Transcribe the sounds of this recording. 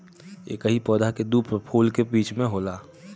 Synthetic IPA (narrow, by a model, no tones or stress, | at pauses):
ḛːkəɦipɔːd̪ʱaked̪uːpɾpʰuːlkebiːt͡ʃmẽɦoːlaː